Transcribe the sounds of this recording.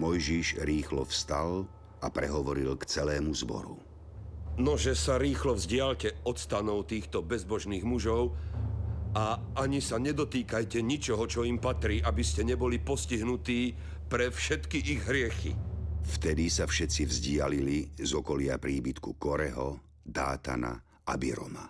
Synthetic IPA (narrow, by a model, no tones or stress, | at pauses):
mɔjʒiʒɾiːxlɔfst̪al | apɾɛɦɔʋɔɾilkt͡sɛlɛːmuzbɔ̰ɾṵ | nɔʒɛsaɾiːxlɔvzɟɪaʎcɛɔt̪st̪anɔʊt̪iːxt̪ɔbɛzbɔʒniːɣmuʒɔʊ | aaɲisaɲɛd̪ɔt̪iːkajcɛɲit͡ʃɔɦɔt͡ʃɔimpat̪ɾiːʔabiscɛɲɛbɔlipɔsciɦnut̪iː | pɾɛfʃɛt̪kiʔiɣɦɾɪɛxḭft̪ɛd̪isafʃɛt͡sivzɟɪalilizɔkɔlɪapɾiːbit̪kukɔɾɛ̰ɦɔ | d̪a̰ːt̪a̰na̰ | ʔabḭɾɔ̰ma